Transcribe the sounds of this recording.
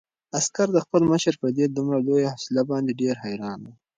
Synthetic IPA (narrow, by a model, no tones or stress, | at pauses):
askaɾd̪əxpəlməʃəɾpəɾd̪ed̪umɾalojahɑsɪlabɑnd̪eɖeɾhajɾɑnd̪a